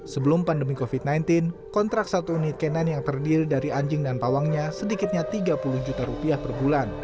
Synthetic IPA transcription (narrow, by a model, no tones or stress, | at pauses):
səbəlʊmpandəmikofit̪̚najnt̪ɪnkɔnt̪ɾak̚sat̪unɪt̪̚kenanjaŋt̪ərdiɾidaɾiaɲd͡ʒɪŋdanpawaŋɲasədikɪt̪̚ɲat̪iɡapuluhd͡ʒut̪aɾupiahpərbulan